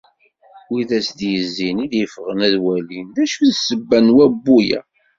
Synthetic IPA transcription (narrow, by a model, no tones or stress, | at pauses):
wiðæsd̪jəzːiniðjəfʁənæðwælinðæʃuðsəbːænwæbːujæ̰